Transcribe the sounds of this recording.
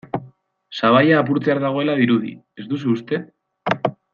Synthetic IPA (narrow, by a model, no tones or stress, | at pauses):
saβ̞ajaːpuɾt͡seaɾðaɣ̞o̞e̞laðiɾuðḭ | e̞zd̪us̬uːst̪e̞